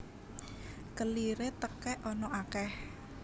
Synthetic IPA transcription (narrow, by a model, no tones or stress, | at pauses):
kəliɾet̪əkɛʔɔnɔʔakɛh